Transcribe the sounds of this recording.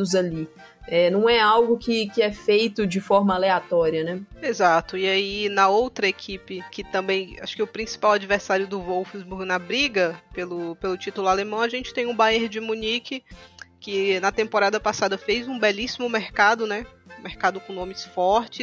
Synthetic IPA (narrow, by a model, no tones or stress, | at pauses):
ʊzali | ɛnɐ̃w̃ɛawɡʊkɪkɪɛfejt̪ʊd͡ʒɪfɔɾmɐaleat̪ɔɾiɐnɛezat̪ʊiainɐowt̪ɾɐekʰipɪkɪt̪ɐ̃mbẽj̃a̰ʃʊ̥kɪʊpɾĩsi̥pawad͡ʒiveɾsaɾjʊd̪ʊvowfzbuɾɡnɐbɾiɡɐpelʊpelʊt͡ʃit̪ʊlʊalemɐ̃w̃aʒẽnt͡ʃɪ̥t̪ẽj̃ũbaeɾd͡ʒɪmunikɪkɪnɐt̪ẽmpoɾad̪ɐpasad̪ɐfejzũbɛlisimʊmeɾkad̪ʊnɛ̃mehkad̪ʊkõnõmɪsfɔɾt͡ʃɪ